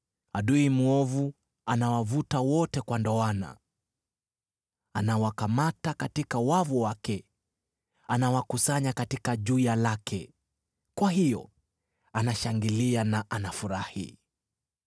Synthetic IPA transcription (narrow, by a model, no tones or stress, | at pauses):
aɗuimuɔvu | anawavutawɔtɛkwandɔana̰ | anawakamatakatikawavuwakɛ | anawakusaɲakatikaʄujalakʰɛ | kwaɦijɔ̰ | anaʃaŋɡilianaʔanafuɾahḭ